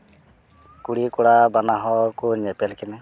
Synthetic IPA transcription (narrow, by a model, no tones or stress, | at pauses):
kuɽikuɽabanaɦɔkunɛpɛlkinɛ